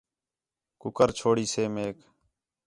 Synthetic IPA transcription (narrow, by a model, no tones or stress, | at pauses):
kʊkəɾt͡ʃʰoːɽiːseːmeːk